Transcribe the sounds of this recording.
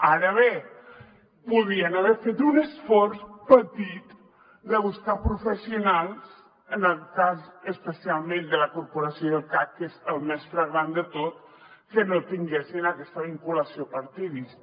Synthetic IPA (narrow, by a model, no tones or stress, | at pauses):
aɾəβe | puðiənaβɛɾfet̪unəsfɔɾspət̪it̪ | d̪əβuskapɾufəsiunalˠs | ənəlˠkazəspəsialˠmẽnd̪ələkuɾpuɾasijoðəlˠkakkːezəlˠmɛsfɾəɣɾand̪ət̪ot̪ | kənot̪iŋɡesinəkɛst̪əβiŋkuləsiopəɾt̪iðis